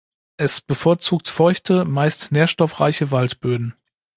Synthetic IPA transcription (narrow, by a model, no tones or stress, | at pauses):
ʔɛsb̥əfoːɐt͡suːk̚tfɔʏçtʰəmaɪstneːɐʃtɔfʁ̥a̰ɪçəvaltb̥øːdn̩